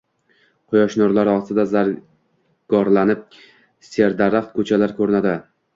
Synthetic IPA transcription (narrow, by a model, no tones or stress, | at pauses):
qʰʊjɒʃnɒɾlaɾɒst̪ɪd̪azaɾ | ɡ̥ɒɾlanɪp̚ | seɾd̪aɾaχt̪̚kʰɵt͡ʃʰalaɾkʰɵɾɪnad̪ɪ